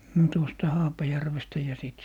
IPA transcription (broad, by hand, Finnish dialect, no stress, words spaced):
no tuostɑ hɑːpɑjærʋestæ jɑ siˑt